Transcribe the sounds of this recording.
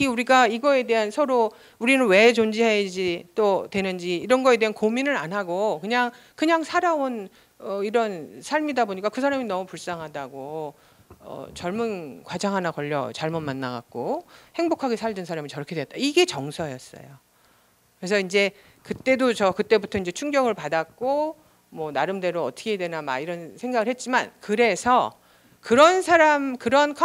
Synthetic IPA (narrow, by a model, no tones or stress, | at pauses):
iuɾiɡaiɡʌe̞de̞ɦansʰʌɾo | uɾinɯnwe̞t͡ɕond͡ʑiɦed͡ʑit͈otwe̞nɯnd͡ʑiːɾʌnɡʌe̞de̞ɦankominɯɾanɦaɡokɯɲaŋ | kɯɲaŋsʰaɾaon | ʌiɾʌnsʰaɭmidaboɲik͈akɯs̬ʰaɾaminʌmupuɭs͈aŋɦadaɡo | ʌ̰t͡ɕʌɭmunkwad͡ʑaŋɦanakʌʎːʌ̰t͡ɕaɭmʌnmanːaɡa̰k̚k͈ohe̞ŋbokʰaɡe̞sʰaɭdɯnsʰaɾamit͡ɕʌɾʌkʰe̞deʌt͈aiɡe̞t͡ɕʌŋsʰʌjʌs͈ʌ̰jo | kɯɾe̞sʰʌind͡ʑe̞ | kɯt͈e̞dot͡ɕʌkɯt͈e̞butʰʌind͡ʑe̞t͡ɕʰuŋɡjʌŋɯɭpadak̚k͈o | mwʌnaɾɯmde̞ɾoʌtʰɯ̥ɡʰe̞dwe̞namaiɾʌnsʰe̞ŋɡaɡɯɭhe̞t̚t͡ɕ͈imankɯɾe̞sʰʌ | kɯɾʌnsʰaɾamkɯɾʌnkʰa